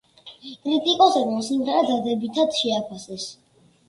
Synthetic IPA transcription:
kʼɾit̪ʼikʼɔsɛɾɔmsimʁɛɾɛd̪ad̪ɛbit̪ʰad̪ʃɛapʰasɛs

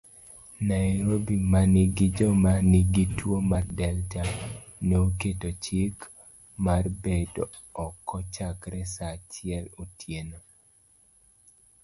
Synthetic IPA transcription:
najɾobimanɪɡid͡ʒɔmanɪɡitwomardɛlta | nooketot͡ʃik | marbedo | ɔkːɔt͡ʃakɾɛsat͡ʃɪɛlotʰjeno

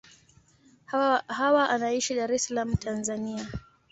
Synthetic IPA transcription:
hawaʔanaiʃiɗaɾɛsalam̩tʰanzania

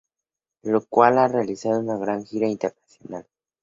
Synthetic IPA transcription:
lokwalarealisaðounaɣɾaŋxiɾaint̪eɾnasjonal

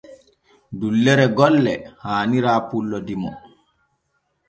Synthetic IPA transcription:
dulːɛɾɛɡɔlːɛhaːniɾaːpulːɔdimɔ

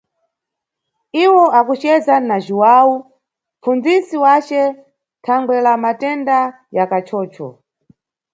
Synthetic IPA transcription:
iwɔakut͡ʃɛzanaʒuwau | mfund͡zisiwat͡ʃɛ | tʰaŋɡwɛlamatɛnda | jakat͡ʃʰɔːt͡ʃʰɔ̰

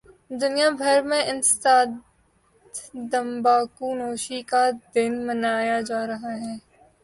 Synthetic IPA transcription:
d̪ʊnijabʱɐɾmẽʔɪnst̪aː | d̪d̪ɐmbaːkunoːʃikad̪ɪnmɐnaːjad͡ʒaːɾɐɦaɦɛː

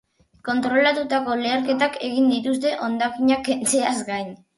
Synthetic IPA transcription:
ko̞nt̪ɾo̞lat̪ut̪ako̞leaɾke̞t̪ake̞ɣ̞ind̪it̪ust̪e̞ʔo̞nd̪akiɲake̞nt͡se̞azɡajɲ

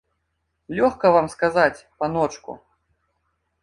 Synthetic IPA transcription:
lʲɔxkɐvamskazat͡sʲpanɔt͡ʂkṵ

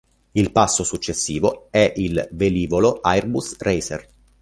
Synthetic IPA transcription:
ilpasːosut͡ʃːesːiːvoɛʔilveliːvoloʔajrbusrejser

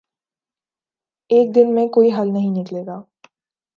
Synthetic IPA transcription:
eːk̚d̪ɪnmẽkoːiɦɐlnɐɦĩnɪkleːɡaː

